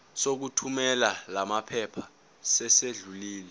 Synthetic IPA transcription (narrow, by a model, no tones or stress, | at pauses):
sok̬utʰumɛlalamapʰɛpʰa | sɛseɮuliːlɛ